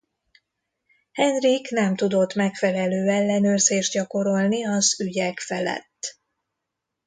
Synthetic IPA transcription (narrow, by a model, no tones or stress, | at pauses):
hɛnriknɛmt̪ud̪o̞t̪ːmɛkfɛlɛløːɛlːɛnøːrzeːʒd̪̚ɟɒko̞ɾo̞lniɒzyɟɛkfɛlɛ̰t̪ː